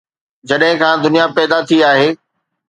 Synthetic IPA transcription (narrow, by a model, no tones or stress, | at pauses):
d͡ʑɐɗɦɪ̃kʰãːd̪ʊnijapɛːd̪at̪ʰiaːɦeː